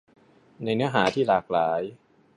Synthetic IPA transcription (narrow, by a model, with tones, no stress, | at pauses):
na˧jnɯ˦˥ɐɦaː˩˦t̪ʰiː˥˩laː˨˩k̚laː˩˦j